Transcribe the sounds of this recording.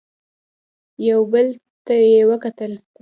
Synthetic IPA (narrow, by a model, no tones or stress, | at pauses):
jawbəlt̪ajewəkat̪əl